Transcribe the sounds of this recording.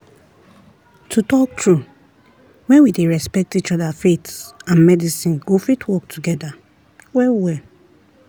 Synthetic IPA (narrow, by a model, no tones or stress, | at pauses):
tʰutɔk̚tʰɹu | wɛ̃nwideɹɛspɛk̚tit͡ʃɔdafetãnmɛdisĩnɡofitʰwɔk̚tʰuɡɛda | wɛwɛ